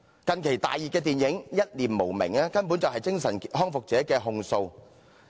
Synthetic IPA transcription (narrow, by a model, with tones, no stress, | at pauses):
kɐ˨nkʰe˨˩jt̪a̰ː˨jːiː˨˩tkːɛː˧t̪iː˨njɪ˨˥ŋjɐ˥t̚liː˨˩mmo˨˩wmɪ̰˨˩ŋaː˥kɐ˥npu˨˥nt͡sɐ˨wɦɐ˨jkɪ˥ŋsɐ˨˩nɦɔː˥ŋfʊ˨k̚t͡sɛː˨˥kɛː˧ɦʊ˧ŋso˧w